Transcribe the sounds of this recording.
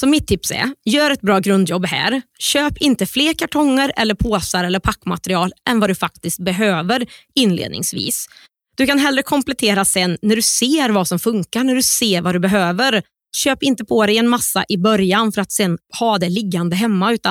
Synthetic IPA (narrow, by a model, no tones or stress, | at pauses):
sɔmːɪt̪ʰːɪpsɛ̰jœːɾɛt̪̚bɾɑːɡɾɵnd̪jɔbːɦæ̰ːɾɕøːpɪnt̪əfleːɾkʰaʈʰɔŋːəɾɛ̰lːəɾpʰoːsaɾɛlːəɾpʰakːma̰t̪ɾɪɑːlʔɛnvad̪ɵfak̚t̪ɪst̪̚bɛɦøːvəɾɪnːlḛːd̪nɪ̰ŋsvḭːs | d̪̥ɵkanɦɛlːɾəkʰɔmplɛt̪ʰeːɾasɛnːæɖɵseːɾvasɔmfɵŋkaɳæɖɵseːɾvad̪ɵbɛɦøːvəɾ | ɕøːpɪnt̪əpʰɔd̪ɛjɛnmasːa̰ʔɪbœɾjanfœɾat̪sɛnːhɑːd̪ɛlɪɡːand̪əɦɛmːaʉ̟ːt̪a